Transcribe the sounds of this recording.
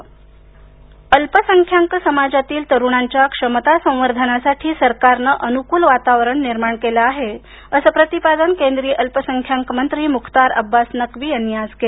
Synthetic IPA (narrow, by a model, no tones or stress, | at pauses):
əlpəsəŋkʰjaŋksəmad͡ʑat̪iːlt̪əɾuɳ̃aɲt͡ɕjakʂəmət̪asə̃w̃ʋəɾd̪ʱənasaʈʰiːsəɾkaɾnəʔənukuːlʋat̪aʋɾəɳniɾmaɳkelaːɦe | əsəpɾət̪ipad̪ənkẽnd̪ɾijəʔəlpəsəŋkʰjaŋkmənt̪ɾiːmukʰt̪aɾə̰bːasnəkʋiːənjaske